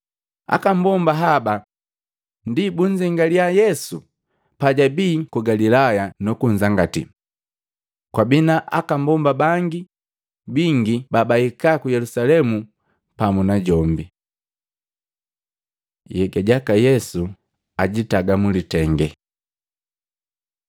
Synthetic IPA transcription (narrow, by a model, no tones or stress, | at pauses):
a̰kam̩bɔmbaɦaba | ndibuɲd͡ʒiŋɡaliajɛsu | paɟabiːkuɡalilajanɔkuɲzaŋɡatḭ | kwabinaʔa̰kambɔmbabaŋɡi | biŋɡibabaikakujɛlusalɛmu | pamunaɟɔmbi | jɛɡaɟakajɛsu | aɟitaɡamulitɛŋɡɛ̰